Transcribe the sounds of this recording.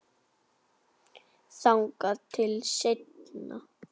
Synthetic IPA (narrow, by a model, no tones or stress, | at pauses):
saŋkat̪ʰɪlʃet̪na̰